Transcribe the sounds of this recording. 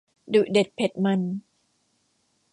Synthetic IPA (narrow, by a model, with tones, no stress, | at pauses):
du˨˩ʔde˨˩t̪̚pʰe˨˩t̪̚mɤ˧n